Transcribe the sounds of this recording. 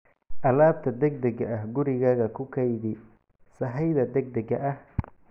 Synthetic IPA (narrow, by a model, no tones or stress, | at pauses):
ʔɐlaːb̚t̪ʰɐd̪ɛɡ̚d̪ɛɣɐʔɐhɡʊɾɪɣaːɣɐkʰʊkʰɐjdɪ | sɐɦɛjðɐd̪ɛɡ̚d̪ɛɡɐʔɐh